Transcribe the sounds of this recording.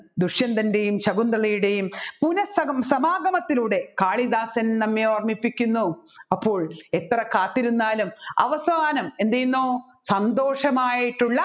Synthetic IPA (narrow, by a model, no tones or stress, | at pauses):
d̪uʂjɐnd̪ɐnde̞jumɕɐɡund̪ɾɐɭɐjuɽe̞jumpunɐsɐsɐmaːɡɐmɐt̪ːiluːɽe̞kaːɭid̪aːsɐnnɐmːeoːrmipːikʲːunːuɐpːo̞ːɭe̞t̪ːrɐkaːt̪ːiɾunːaːlumɐ̰ʋɐsaːnɐmend̪ejunːoː | sɐnd̪o̞ːʂɐmaːjiʈːuɭːɐ